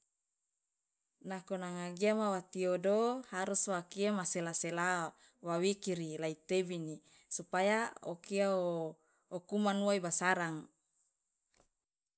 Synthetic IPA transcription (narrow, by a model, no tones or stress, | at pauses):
nakonaŋaɡiamawat̪iodohaɾuswakiamaselasela | wawikiɾilait̪ebini | supajaokiao | okumanuaibasaɾaŋ